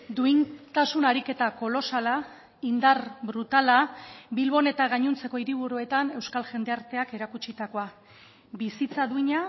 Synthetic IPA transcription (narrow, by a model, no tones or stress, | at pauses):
d̪uint̪asunaɾike̞t̪ako̞lo̞sala | ind̪aɾbɾut̪alaβilβo̞ne̞t̪aɣ̞aɲunt͡se̞ko̞iɾiβ̞uɾue̞t̪ane̞wskalʝe̞nd̪e̞aɾt̪e̞ake̞ɾakut͡ʃit̪ako̞a | bisit͡saðuiɲa